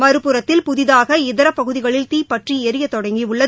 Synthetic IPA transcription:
mɐɾɯpːɯɾɐt̪ːɪlpʊðɪðaːɣɐɪðɐɾɐpːɐɣɯðɪɣɐɭɪlt̪iːpːɐʈriɛɾɯjɐt̪ːɔɽɐŋɡiʊɭːɐ

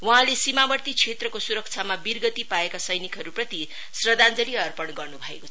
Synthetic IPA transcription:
wuɦãlesimabʌrt̪it͡sʰet̪rʌkosuɾʌk̚t͡sʰamabirɡʌt̪ipaekasʌjnikɦʌɾuprʌt̪i | srʌd̪and͡zʌliʌrpʌɳɡʌrnubʱʌekot͡sʰʌ

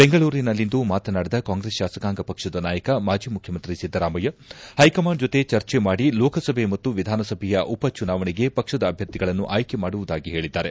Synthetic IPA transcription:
be̞ŋɡɐɭuːɾinɐlːind̪umaːt̪ɐnaːɽid̪ɐkaːŋɡɾesʃaːsɐkaːŋɡɐpɐkʂɐd̪ɐnaːjɐkɐmaːd͡ʒʱiːmukʰjɐmɐnt̪ɾisid̪ʱːɐɾaːmɐjɐhɐjkɐmaːɳɖd͡ʒot̪e̞t͡ʃɐɾt͡ʃemaːɽilɔːkɐsɐbʱe̞mɐt̪ːuʋid̪ʱaːnɐsɐbʱɛjɐʔupɐt͡ʃunaːʋɐɳiɡe̞pɐkʂɐd̪ɐːbʱjɐɾt̪iɡɐɭɐnːuʔaːjke̞maːɽuʋud̪aːɡiɦe̞ːɭid̪ːaːɾe̞

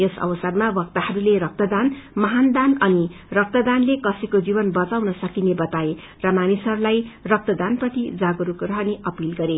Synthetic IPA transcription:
esʌ̰bʌsʌrmabʌk̚t̪ahʌɾuleɾʌk̚t̪ʌd̪anmʌɦand̪anʌnirʌk̚t̪ʌd̪anlekʌsikod͡zibʌnbʌt͡sawnʌsʌkinebʌt̪ae | rʌmanisʌɾulajrʌk̚t̪ʌd̪anprʌt̪id͡zaɡɾukrʌɦʌneʔʌpilɡʌɾe

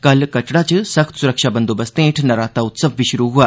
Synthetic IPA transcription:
kɐlkɐʈɽat͡ʃɨsɐxt̪suɾəkʃaːbɐnd̪oːbɐst̪ẽːʈʰnɐɾaːt̪aʊt̪sɐbʋiʃʊɾuɦuaː

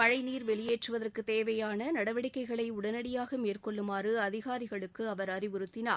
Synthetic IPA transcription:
pɐɻɐɪniːɾʋɛɭɪjeːʈrɯʋɐðɐrkɯt̪eːʋɐjaːnɐnɐɽɐʋɐɽɪkːɐɪɣɐɭɐɪʊɽɐnɐɽɪjaːɣɐmeːrkɔɭːɯmaːrɯɐðɪɣaːɾɪɣɐɭɯkːɯɐʋɐɾɐɾɪʋɯɾɯt̪ːɪnaː

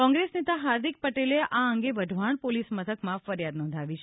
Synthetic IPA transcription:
kɔ̃ŋɡɾesnet̪aɦaɾd̪ʱik̚pəʈeleʔaəŋɡeʋəd̪ʱʋaɳ̃polismət̪ʰəkmãfəɾjad̪nɔ̃nd̪ʱaʋit͡ʃʰ

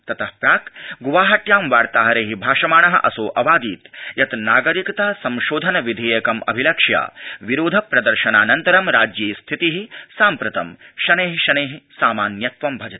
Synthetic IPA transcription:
t̪ɐt̪ʰɐhpɾaːkɡuʋaːɦɐʈjaːmʋaːɾt̪aːɦɐɾeːɦibʱaːʃɐmaːɳɐɦɐʔɐsoːʔɐʋaːd̪iːt̪jɐt̪naːɡɐɾikɐt̪ɐsɐ̃mʃoːd̪ʱɐnɐʋid̪ʱeːjɐkɐmɐ̰bʱilɐkʂja̰ːʋiɾoːd̪ʱɐpɾɐd̪ɐɾʃɐnaːnɐnt̪ɐɾɐmɾaːd͡ʒjiːst̪ʰit̪iɦisaːmpɾɐt̪ɐmʃɐneːɦiʃɐneːɦisaːmaːnjɐt̪ʋɐmbʱɐd͡ʒɐt̪i̥

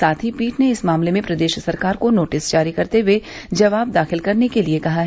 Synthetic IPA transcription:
saːt̪ʰipiːʈneɪsmaːmlemẽpɾɐd̪eːʃsɐɾkaːɾkonoːʈɪsd͡ʒaːɾikɐɾt̪ewe | d͡ʒɐʋaːb̚d̪aːxɪlkɐɾnekeliekɐɦaɦ

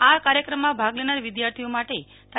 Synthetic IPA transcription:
akaɾjəkɾəmːãbʱaɡlenaɾʋɪd̪jaɾt̪ʰijomaʈe | t̪

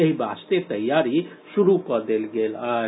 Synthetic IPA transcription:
eɦibast̪et̪əjːaɾi | suɾukɔd̪elɡela

